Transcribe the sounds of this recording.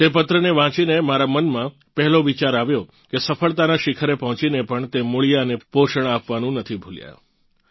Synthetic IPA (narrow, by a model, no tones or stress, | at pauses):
t̪epət̪ɾəneʋãt͡ʃinemaɾamənmã | pɛɦɛloʋit͡ʃaɾaʋjo | kesəfəɭt̪anaʃɪkʰəɾepəɦɔ̃t͡ʃinepəɳt̪emuɭijaənepoʃəɳ̃apʋanũnət̪ʰibʱulja̰